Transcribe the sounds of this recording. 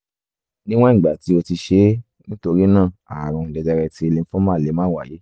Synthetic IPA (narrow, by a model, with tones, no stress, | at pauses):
nĩ˦w̃ɔ̃˦˨ɡ͡ba˨ti˨˦o˧ti˧ʃe˨˦ | nĩ˦to˧ɾi˦nãː˦˨a˨ɾ̃ũ˧˨dɛ˧d͡ʒɛ˧ɾɛ˧ti˨˦e˧le˧n̩˦fɔ̃˦mãː˦˨le˨˦mãː˦wa˨je˨˦